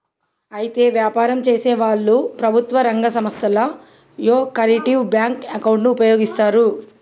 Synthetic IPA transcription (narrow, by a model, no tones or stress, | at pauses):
ɐjit̪e̞ːʋjaːpaːɾɐmt͡ʃe̞ːseːʋaːɭːupɾɐbʱut̪ʋɐɾɐŋɡɐsɐmɐst̪ʰɐlɐ | joːkɐɾiʈiʋbjaːŋkɐkɐwuɳʈnuːpɐjoːɡist̪aːɾu